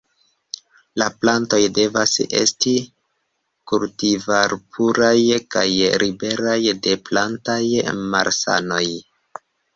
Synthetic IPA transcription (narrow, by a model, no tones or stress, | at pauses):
laplanto̞jde̞vase̞̰sti | kuɾtivaɾpʰuɾajkajɾibe̞ɾajde̞plantajma̰ɾsa̰no̞j